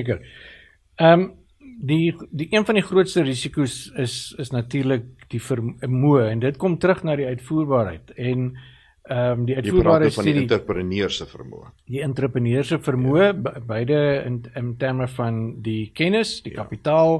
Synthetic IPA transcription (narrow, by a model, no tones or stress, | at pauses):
kər | əːm | didiʔiənfɐndiχruətstəɾisikusəsəsnɐtiːrlək̚d̥ifərəmuəɛndətkɔmtəɾəχnɑːdiœɥtfuːrbɑːɾɦɛ̰jtɛn | əmdiœɥtuːbɑːɾəsfɐndidiəpɾəniərsəfə̰rmṵədiəntɾəprəniərsəfərmuəbbɛjdəənəntærməfɐndikɛnəsd̥ikɐpitɑːlˠ